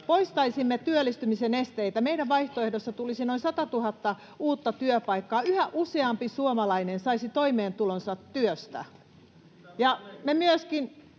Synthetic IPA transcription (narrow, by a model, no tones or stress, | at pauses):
poist̪ɑisimːet̪yølːˑist̪ymisenest̪eit̪æmeidæʋʋɑiht̪oehdosːɑt̪ulisinoinsɑt̪ɑt̪uhɑt̪ːɑ | uːt̪ːɑt̪yøpɑikːɑːyhæʔuseɑmpisuomɑlɑinensɑisit̪oimeːnt̪ulonsɑt̪ːyøst̪æ̰ | jɑmemyøskin